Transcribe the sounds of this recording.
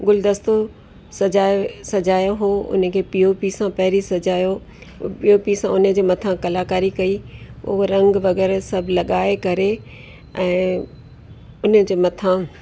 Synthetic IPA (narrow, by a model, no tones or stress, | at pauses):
ɡʊld̪ɐst̪o | sɐd͡ʑaːsɐd͡ʑaːjoɦoːʊ̰nə̆kʰeːpiopisãpɐɦɾisɐd͡ʑaːjo | piopisãʊnə̆d͡ʑeːmɐt̪ʰãkɐlaːkaːɾikɐiʊ̰ɦoɾɐ̃ŋɡʋɐɡɛːɾsɐbʱlɐɠaːekɐɾe | ɛ̃ː | ʊnəd͡ʑeːmɐt̪ʰã